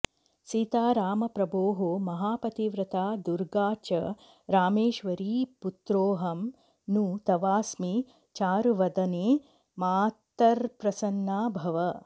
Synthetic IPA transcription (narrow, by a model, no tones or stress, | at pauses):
sit̪aːɾaːmɐpɾɐboːɦoːmɐɦaːpɐt̪iʋɾɐt̪ʰaːd̪uɾɡaːt͡ʃɐ | ɾaːmeːʃʋɐɾiːput̪ɾoːɦɐm | nut̪ɐʋaːsmi | t͡ʃaːɾuʋɐd̪ɐneː | maːt̪ːɐɾpɾɐsɐnːaːbʱɐʋɐ